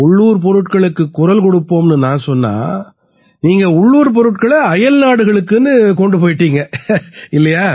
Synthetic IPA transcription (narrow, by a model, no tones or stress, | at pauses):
ʊɭːuːɾpɔɾɯʈkɐɭɯkːɯkːʊɾɐlkɔɽɯpːoːmnɯnãːsɔnːa̰ː | niːŋɡɐʊɭːuːɾp̬ɔɾɯʈkɐɭɐɐjɐlnaːɽɯɣɐɭɯkːɯnːɯkɔɳɖɯpoːjɪʈːiːŋɡɐɪlːɐjaː